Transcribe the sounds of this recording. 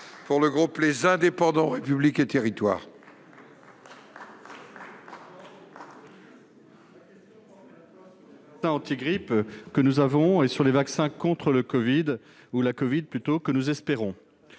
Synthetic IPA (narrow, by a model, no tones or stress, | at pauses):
puʁləɡʁuplezɛ̃d̪epɑ̃d̪ɑ̃ʁepybliket̪eʁit̪wa̰ːʁ | ksɛ̃ɑ̃t̪iɡʁipkənuzavɔ̃esyʁlevaksɛ̃kɔ̃t̪χələkɔvid̪ | ulakɔvid̪̚plyt̪okənuzɛspeʁɔ̃